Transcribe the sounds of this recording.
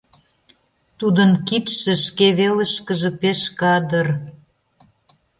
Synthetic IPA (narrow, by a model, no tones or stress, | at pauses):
t̪ud̪ənkit̪ʃə̆ʃkeβelə̆ʃkəʒĕpeʃkɑd̪ər